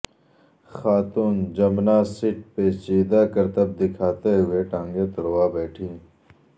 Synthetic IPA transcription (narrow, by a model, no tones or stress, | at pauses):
xaːt̪uːnd͡ʒɐmnaːsiʈ̚peːt͡ʃeːd̪aːkɐɾt̪ɐb̚d̪ɪkʰaːt̪eɦʊeʈãːŋɡet̪ɐɾowaːbɛːʈʰĩː